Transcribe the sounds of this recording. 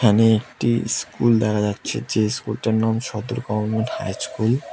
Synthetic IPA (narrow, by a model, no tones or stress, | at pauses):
aneek̚ʈiskuld̪ɛkʰad͡ʑatːɕʰḛd͡ʑeskulʈaɾnamʃɔd̪oɾɡɔmanmenʈha̰jskul